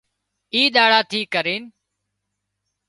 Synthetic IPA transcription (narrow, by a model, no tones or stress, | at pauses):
iːɗ̪aːɽaːt̪ʰiːkəɾeːn